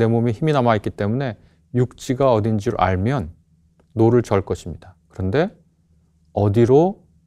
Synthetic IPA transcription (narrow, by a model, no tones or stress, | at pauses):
ne̞momiçiminamait̚k͈it͈e̞mune̞ | juk̚t͡ɕ͈iɡaʌdind͡ʑiɾʔa̰ɭmjʌnː | oɾɯɭt͡ɕʌɭk͈ʌɕʰimɲidakɯɾʌnde̞ | ʌdiɾo